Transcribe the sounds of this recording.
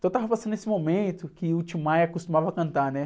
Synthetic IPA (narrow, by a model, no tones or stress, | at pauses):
t̪ɐ̃w̃t̪avɐpasɐ̃nd̪nesɪmomẽnt̪ʊkɪʊt͡ʃimajɐkost̪umavɐkɐ̃nt̪anɛ